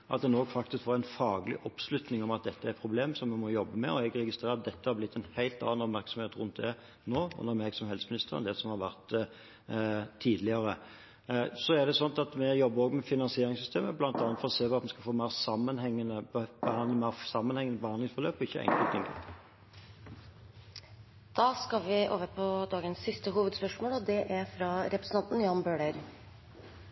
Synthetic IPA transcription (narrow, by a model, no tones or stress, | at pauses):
ʔɑt̪̚d̪ɛnoːɡfɑk̚t̪ɪskfoːʁæɪnfɑːɡlɪ̰ʔɔpslʉt̪nɪŋɔmɑt̪̚d̪ɛt̪ːəæɾpʰɾʊbleːmsɔmːɛmɔjɔbːəmɛɔɛɡɾɛɡɪst̪ʁeːɾɑt̪̚d̪ɛt̪ːəhɑɾblɪt̪ːɛnhæɪlt̪ɑ̰ːɑnɔpmæɾksɔmeːt̪ɾʊnt̪̚d̪ɛ | noːʊ̰nːəɾmɛɡsɔmhɛlsəmnɪst̪əʁənd̪ɛsɔmhɑʁʋæʁt̪ | iːd̪lɪəɾə | sɔæʁd̪ɛsɔnt̪ɑt̪mɛjɔbːəɾoːɡmɛfɪnɑnsɪeːɾɪŋsʏst̪ʰeːməblɑnt̪ɑnːət̪fɔʁɔseːʋɑɑt̪mɛskɑfoːmæɪʁsɑmːənhɛŋːənəbbəhɑnd̪əmæɪsɑmːənhɛŋːənəbəhɑnd̪lɪŋsfɔʁløːpɔɪçːəʔɛ̰ŋk̪t̪ɪŋɡə̰ | d̪̥ɑːskɑlʋɪʔoːʋəpʰɔd̪ɑːɡənsːɪst̪əɦuːʋəd̪spœʂmoːlɔd̪ɛʔæɾfɾɑɾɛpɾəsn̩ɑnt̪n̩jɑnbøːɖəɾ